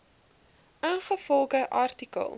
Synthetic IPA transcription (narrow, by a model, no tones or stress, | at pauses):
ʔanχəfɔlˠɡəʔɐrtikə̰lˠ